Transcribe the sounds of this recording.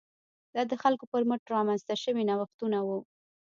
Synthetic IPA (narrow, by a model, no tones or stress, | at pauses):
d̪̥ɑd̪əxalkopəɾmʊʈɾɑmanzt̪aʃəwinawaxt̪unawu